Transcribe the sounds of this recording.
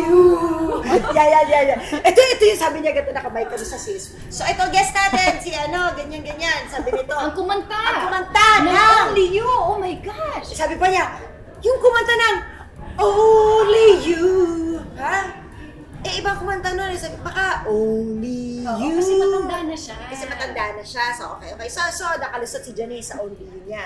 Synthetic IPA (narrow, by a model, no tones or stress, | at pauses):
u | jajanjajaʔɛt̪oɛt̪ojʊŋsaːbɪɲaɡɐnt̪onɐkɐmɐjkɐmsɐsis | soʔɛt̪o̞ɡɛst̪naːt̪ɛnsiʔɐno̞ɡɐɲanɡɐɲansaːbɪnɪt̪o̞ɐŋkʊmɐnt̪aɐŋkʊmɐnt̪anaonlijoʔomɐjɡaʃsaːbɪpɐɲa | jʊŋkʊmɐnt̪anɐŋ | ʔoliju | ha | ʔɛʔɪbaŋkʊmɐnt̪anonɛsabɪbɐkaʔonlijuɐsɛmɐɐd̪anːɐʃakɐsɛmɐt̪ɐnd̪aʔnːɐʃasɐʔokɐjokɐjsɐsod̪ɐkɐlʊsod̪sɪd͡ʒɐnisɐʔownlijʊɲa